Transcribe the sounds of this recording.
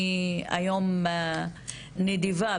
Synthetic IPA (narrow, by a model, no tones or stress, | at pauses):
a̰jɔm | ned̪iva